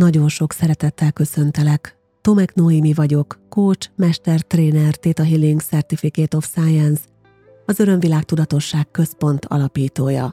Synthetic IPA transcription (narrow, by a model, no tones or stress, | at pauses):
nɒɟo̞nʃo̞ksɛɾɛt̪ɛt̪ːɛlkø̞sø̞nt̪ɛlɛk | t̪o̞mɛknoimivɒɟo̞kːoːt͡ʃmɛʃt̪ɛrt̪reːnɛrt̪eːt̪ɒɦilːiŋɡsɛrt̪ifikeːt̪o̞fsajɛns | ɒzø̞ɾø̞ɱvilaːk̚t̪ud̪ɒt̪o̞ʃːaːkkːø̞spo̞nt̪ʰɒ̰lɒpiːt̪oːjɒ̰